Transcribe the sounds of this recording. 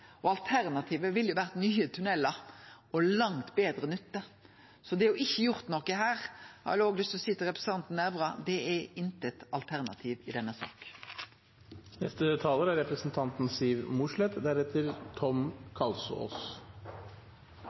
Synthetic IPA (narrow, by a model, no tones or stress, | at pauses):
ʔɔɑlt̪ʰæʁnɑt̪ʰiːʋəʋɪljʊʋæːʁt̪nyːət̪ʰʉnɛlːɑ | ɔlɑŋt̪beːd̪ɾənʏt̪ːə | sɔd̪ɛæɾjʊɪçːəjʊɾt̪nɔkːəhæːɾhɑ̰oːɡlɪst̪ɔsɪt̪ːəɾɛpɾəs̩ɑnt̪n̩æʋʁɑd̪ɛɛɪnt̪əɛt̪ɑlt̪ʰæʁnɑ̰t̪ʰiːʋɪd̪ɛnːəsɑ̰ːk | nɛst̪ət̪ʰɑːləɾæɾɾɛpɾəsn̩t̪ʰɑnt̪n̩siːʋmʊʂɭɛt̪d̪æɾɛt̪ʰəɾt̪ʰɔmkʰɑlsɔ̰o̰ːs